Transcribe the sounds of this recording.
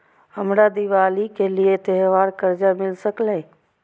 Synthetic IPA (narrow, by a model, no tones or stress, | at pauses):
əmɾaːd̪iʋaːlikeliet̪ɛːʋaːɾkəɾd͡ʒamɪlsəklẽː